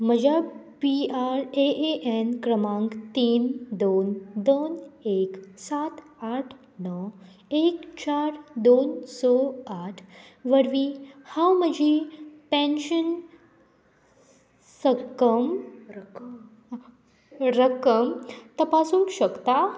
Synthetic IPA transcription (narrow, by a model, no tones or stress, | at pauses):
məd͡ʑʱabiaɾeʔeʔenkɾəmãŋkt̪iːnd̪ond̪oneksat̪ | aʈʰ | nɔ | ekt͡ɕaɾd̪onsɔaʈʰ | ʋəɾʋihãwməd͡ʑʱipẽnɕən | səkəm | ɾəkəmt̪əpasuŋkɕəkt̪a